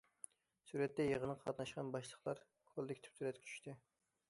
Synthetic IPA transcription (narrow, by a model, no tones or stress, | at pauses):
suɾɛt̪ːɛjeʁənɑqʰɑt̪nɑʃqɑnbɑʃlˠəχlˠɑɾ | kʰolˠd̪ɪkʲt̪ʰy̥p̚t̪ʰyɾɛt̪kʲɛ̥t͡ʃʰy̥ʃt̪ʰɪ